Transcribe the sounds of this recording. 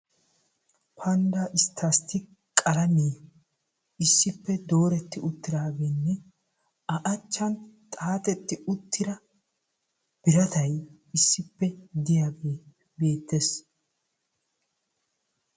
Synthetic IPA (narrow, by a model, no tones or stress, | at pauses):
pʰɐnd̪aːʔɪst̪ʰːɐst̪ːɪ | kʼɐlɐmiː | ɪsːɪpːɛd̪o̞ːɾɛt̪ːɪʊt̪ːɪɾaːɡeːnːɛ | ɐʔɐt͡ʃːɐnt̪ʼaːt̪ɛt̪ːɪʊt̪ːɪɾɐ | b̥ɪɾɐt̪ɐj | ɪsːɪpːɛd̪ɪjaːɡeː | be̞ːt̪ːes